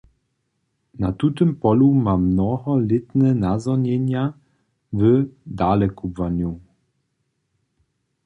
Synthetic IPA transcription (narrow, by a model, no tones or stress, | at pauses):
nat̪ut̪ɘmpɔlumamnɔɦɔlɪt̪nɛnazɔɲɛɲa | vəd̪alɛkubvaɲu